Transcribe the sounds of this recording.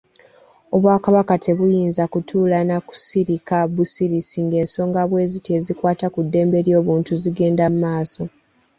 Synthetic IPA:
o̞βwaːkaβakatʰe̞βujiːnzakutʰuːlanaku̥siɾikaβusiɾisiŋɡe̞ːnso̞ːŋɡaβwe̞ːzite̞ːzikwaːtakudːe̞ːmbe̞ɾjo̞ːβuːntuziɡe̞ːndamumaːso̞

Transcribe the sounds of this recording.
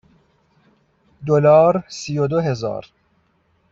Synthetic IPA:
d̪olɒːɾsijod̪oɦe̞zɒ̰ːɾ

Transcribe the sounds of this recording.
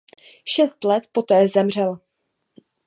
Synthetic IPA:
ʃɛst̪lɛt̪po̞t̪ɛːzɛmr̝ɛl

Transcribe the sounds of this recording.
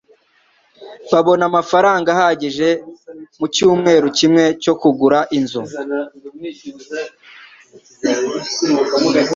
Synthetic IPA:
βaβo̞namafaɾaːŋɡahaɟiʒe̞mucuːmŋe̞ːɾucimŋe̞co̞kuɡuɾaʔinzo

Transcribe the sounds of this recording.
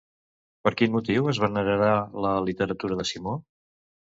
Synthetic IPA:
pəɾkinmut̪iwəzβənəɾəɾaləlit̪əɾət̪uɾəðəsimo

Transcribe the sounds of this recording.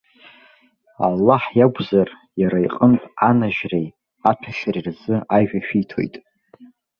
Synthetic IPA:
a̰lːaħjaɡʷzar | jaɾaiqʼəntʼanaʒrej | atʰaʃarirzɨʔaʒᶣaʃᶣijtʰo̰jtʼ

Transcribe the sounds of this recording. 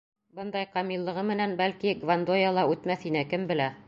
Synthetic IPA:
bɤ̆nd̪ɑjqɑmilˠːɤ̆ʁɤmɘ̆nænbælkiɡvand̪ojɑlˠɑʉt̪mæθinækɘmbɘ̆læ

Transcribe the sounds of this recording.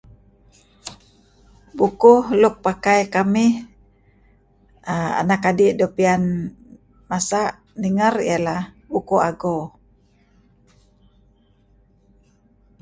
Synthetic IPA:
bukuhluk̚pakajkami | aa̰nakadiʔdopian | masaʔ | niŋarḭala | bukuaɡo

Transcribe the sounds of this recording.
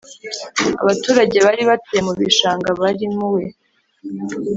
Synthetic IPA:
a̰βatuːɾaɟe̞βaɾiβatemuβiʃaːŋɡaβaɾimuwe

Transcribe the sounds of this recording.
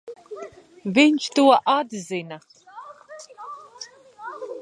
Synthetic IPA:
veːnt͡ʃʰtʰɨwɐʔaːdɨzejnɐ

